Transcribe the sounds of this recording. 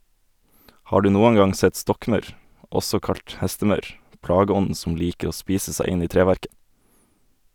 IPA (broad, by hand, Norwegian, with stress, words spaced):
ˈhɑː ˈɖʉː ˈnuːən ˈɡɑŋ ˈsɛt ˈstɔkˌmɑʉɾ ˈɔsɔ ˈkɑlt ˈhɛstəˌmɑʉɾ ˈplɑːɡəˌɔndn̩ sm̩ ˈliːkə ˈoː ˈspiːsə ˈsæɪ ˈɪn ˈiː ˈtɾeːˌʋæɾkə